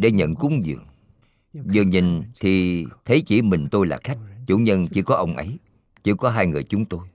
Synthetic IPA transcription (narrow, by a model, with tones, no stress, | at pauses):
ɗe˧˩ɲə̰˧˨nkʊ˨˦ŋ͡mŋzɨ̰˨˩əŋ | zɨ˨˩əŋɲï˨˩ŋt̪ʰi˨˩t̪ʰe˨˦t͡ɕḭ˧˩mï˨˩ŋ̟t̪o˧jla̰ː˨˩xa˦˥jk̟̚t͡ɕṵ˧˩ɲə˧nt͡ɕi˧˥kɔ˨˦ʔə˧wŋ͡mʔə̰˨˦j | t͡ɕɨ˧˥kɔ˨˦ɦaː˧jŋɨ˨˩əjt͡ɕʊ˨˦ŋ͡mt̪o˧j